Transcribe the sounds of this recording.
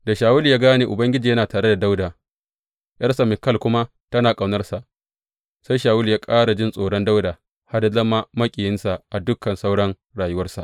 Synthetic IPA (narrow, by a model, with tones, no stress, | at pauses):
da˨ʃaː˨wʊ˦ljaː˦ɡaː˦neː˨ʔʊ˨bɐ˦ŋɡʲɪ˦d͡ʒiː˨jɐ˦naː˨taː˨ɽe˦da˨da˦wda˨ | ja˦ɾsa˨mɪ˨kːɐ˦˨lkʷʊ˦ma˦ | tɐ˦naː˨kʼa˨wnɐ˦rsa˨ʔ | sa˦jʃaː˨wʊ˦ljaː˦kʼaː˦ɽa˨d͡ʒɪ˦˨nsʼoː˨ɽɔ˦nda˦wdaː˨ | ha˦da˦zɐ˦ma˦mɐ˦kʲʼiː˨jɪ˦nsa˨ʔa˨dʊ˦kɐ˨nsa˦wɽɐ˦ŋ | ɽaː˨jʊ˦wɐ˦rsa̰˨ʔ